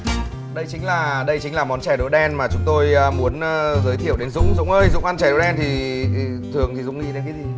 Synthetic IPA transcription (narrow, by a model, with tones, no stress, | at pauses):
ɗə˧jt͡ɕï̟˨˦laː˨˩ɗə˧jt͡ɕi̟˨˦laː˨˩mɔ˨˦nt͡ɕɛ˧˩ɗo˧˨˦jɗɛ˧nmaː˨˩t͡ɕʊ˨˦ŋ͡mt̪o˧jːmu˨˦ənː˧zəː˨˦jt̪ʰi˧˩˨əwɗe˨˦nzʊ̰˧˥ŋ͡mzʊ̰˧˥ŋ͡mʔəː˧jzʊ̰˧˥ŋ͡mʔa˧nt͡ɕɛ˧˩ɗo˨˦jɗɛ˧nt̪ʰi˨˩˧ | t̪ʰɨ˨˩əŋt̪ʰi˨˩zʊ̰˧˥ŋ͡mŋḭ˧˥ɗe˨˦nkaː˨˦zi˨˩